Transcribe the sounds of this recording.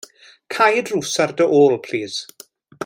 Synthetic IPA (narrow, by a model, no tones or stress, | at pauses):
kʰajədruːsardəʔoːlˠpʰl̥iːz̥